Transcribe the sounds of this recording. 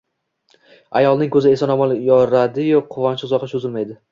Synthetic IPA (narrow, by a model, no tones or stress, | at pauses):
a̰jɒlˠnɪŋkʰɵzɪe̞sanɒmɒlˠjɒɾad̪ɪjoqʰʊvɒnʃɪʊzɒqʰɪʃʊzɪlmajd̪ɪ